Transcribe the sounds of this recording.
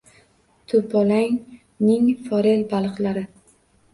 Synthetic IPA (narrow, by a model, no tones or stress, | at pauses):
t̪ʰʊpʰɒlaŋ | nɪŋfɒɾelbalˠɨqlaɾɪ